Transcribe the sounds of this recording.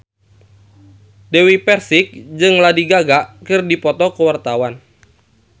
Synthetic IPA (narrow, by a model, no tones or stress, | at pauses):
dewipɛrsɪk̚d͡ʒɨŋladiɡaɡaʔkɨrdipɔt̪ɔkəwart̪awan